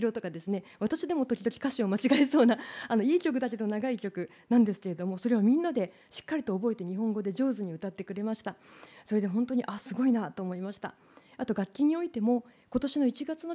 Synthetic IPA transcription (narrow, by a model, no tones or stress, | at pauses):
ɾo̞t̪o̞kad̪e̞sɨne̞βat̪aɕid̪e̞mo̞t̪okʲid̪okʲi̥kaɕio̞mat͡ɕiɡaiso̞ːnaano̞iːkʲo̞k̬ɯ̟d̪ake̞d̪naɡaikʲo̞kɯ̟ | nãnd̪e̞sɨ̥ke̞ɾe̞d̪o̞mo̞so̞ɾe̞β̞amʲĩnːad̪e̞ | ɕi̥kːaɾʲit̪o̞ːbo̞et̪e̞ɲ̟iɦõ̞ŋɡo̞d̪e̞ʑo̞ːzɨɲ̟iɯ̟t̪at̪ːe̞kɯ̟ɾe̞maɕi̥t̪aso̞ɾe̞d̪e̞ɦõ̞nt̪o̞ɲ̟iʔasɨɡo̞inat̪o̞ːmo̞imaɕi̥t̪a̰ | at̪o̞ɡakʲːiɲ̟ːio̞it̪e̞mo̞ | ko̞t̪o̞ɕino̞it͡ɕiɡat͡sɨno̞